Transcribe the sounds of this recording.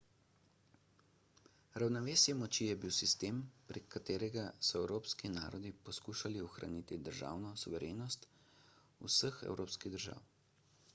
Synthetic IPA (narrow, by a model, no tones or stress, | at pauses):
ɾawnɔʋeːsjɛmɔt͡ʃijɛbiwsist̪eːmpɾɛkʰːat̪eːɾɛɡasɔɛwɾoːpskina̰ːɾɔd̪ipɔskuːʃaliɔxɾa̰niːt̪id̪əɾʒa̰ːwnɔsuʋɛɾeːnɔst̪ | ṵsəxɛ̰wɾoːpskiɣd̪əɾʒa̰ːw